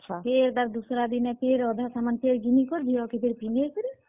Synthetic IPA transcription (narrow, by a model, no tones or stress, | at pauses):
ʃʰapʰeɾd̪aɾd̪usɾad̪inɛpʰeɾɔd̪ʱasamanpeɾɡinikɔɾd̪ʱijɔkipʰeɾpinekɔɾi